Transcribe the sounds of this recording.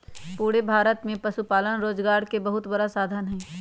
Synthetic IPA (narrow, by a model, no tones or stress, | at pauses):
puːɽebʱaːɾət̪mẽpɐʃupaːlənɾoːd͡ʒɡaːɾkebɐɦʊt̪bəɽasaːd̪ʱənɦɛ̃ː